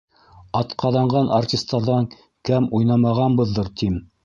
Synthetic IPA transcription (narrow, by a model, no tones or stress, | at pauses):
ɑt̪qʰɑðɑɴɢɑnartʲist̪ːɑɾðɑŋ | kæmujnɑmɑʁɑnbɤ̆ðːɤɾt̪im